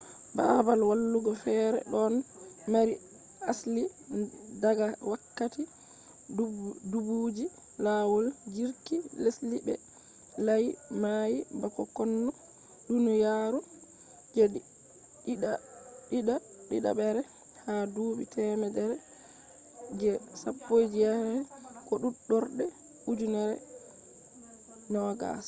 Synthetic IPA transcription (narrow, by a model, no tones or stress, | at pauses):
babalwalːuɡɔfɛːɾɛ̰ɗɔnmaɾi | asli | daɡawakːati | dubud͡ʒi | laːwɔld͡ʒiɾkileslibɛ̰ | lajmajibakɔkɔnːɔ | ɗunujaɾɔ | d͡ʒɛ | iɗaɗiɗa | ɗiɗa̰ɓɛɾɛ | haduːbḭtɛmɛdɛɾɛ | d͡ʒɛsapːojd͡ʒijaɾɛkɔɗuɗɔɾɗɛ | ud͡ʒunɛɾɛ̰ | nɔɡa̰s